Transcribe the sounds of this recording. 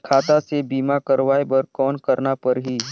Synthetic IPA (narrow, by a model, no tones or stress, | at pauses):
kʰaːt̪asebiːmakəɾʋaːebəɾkɔːnkɐɾnapəɾɦiː